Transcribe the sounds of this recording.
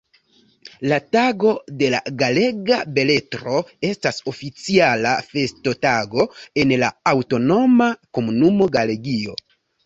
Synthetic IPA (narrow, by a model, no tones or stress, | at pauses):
lataɡo̞de̞la̰ɡale̞ɡabe̞le̞tɾo̞e̞staso̞fit͡sialafe̞sto̞taɡo̞e̞nlaawto̞no̞mako̞munumo̞ɡale̞ɡio̞̰